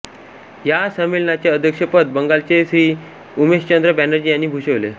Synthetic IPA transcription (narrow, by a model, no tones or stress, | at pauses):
jasəmilnat͡ɕjeəd̪ʱjəkʂəpət̪̚bəŋɡalt͡sesɾiː | umeɕt͡ɕənd̪ɾəbænəɾd͡ʑiːjanːiːbʱuɕəʋlḛ